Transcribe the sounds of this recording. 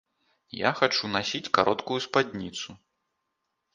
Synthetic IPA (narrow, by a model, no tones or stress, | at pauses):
ja̰xat͡ʂunasʲit͡sʲkaɾʔɔt̪kujuspadʲnʲit̪su